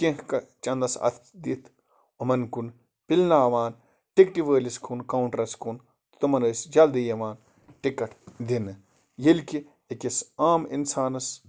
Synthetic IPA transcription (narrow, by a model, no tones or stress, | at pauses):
kĩhkɐt͡ʃɐnd̪ɐsɐ̰t̪ʰd̪it̪ʰ | umɐnkun | pilʲnaːʋaːn | ʈikʈiʋəːliskʰunkɐwuɳʈɐɾɐskun | t̪t̪umɐnəːsd͡ʒɐld̪ijɐʋaːn | ʈikɐʈd̪inɨ | jilki | ekisaːmḭnsaːnɐs